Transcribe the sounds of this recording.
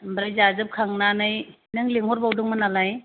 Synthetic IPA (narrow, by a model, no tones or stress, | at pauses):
bɾajzazɯp̚kʰaŋnanɯj | nɯŋleŋɦɔɾbawdɯŋmanalaj